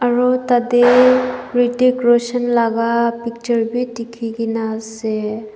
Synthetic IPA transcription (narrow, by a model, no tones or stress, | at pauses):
aɾɔt̪ad̪e | ɾiʈekɾosənlaɡapik̚t͡ʃəɾbitikʰiɡinase